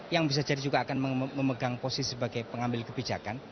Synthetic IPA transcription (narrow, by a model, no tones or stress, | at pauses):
jaŋbis̬ad͡ʒadid͡ʒuɡaːkanməməməɡaŋposisəbaɡajpəŋambɪlkəbid͡ʒakan